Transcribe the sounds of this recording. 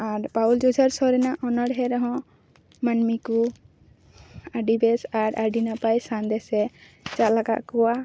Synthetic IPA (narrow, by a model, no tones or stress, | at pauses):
aɾpawld͡ʒud͡ʒʱaɾsɔɾɛnaʔɔnɔɽɦɛɾɔɦɔ̃ | manmiku | aɖibɛsaɾʔaɖinapajsand̪ɛsɛ | t͡ʃalaɡa̰ʔkɔwa